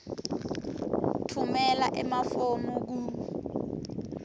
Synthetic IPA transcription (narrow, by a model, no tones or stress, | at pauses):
tʰumɛlaʔɛmafomuk̬u